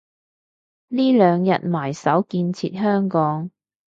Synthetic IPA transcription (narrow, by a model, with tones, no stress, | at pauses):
niː˥lœː˨˧ŋjɐ̰˨t̚maː˨˩jsɐ˨˥wkiː˧nt͡sʰiː˧t̚hœː˥ŋkɔː˨˥ŋ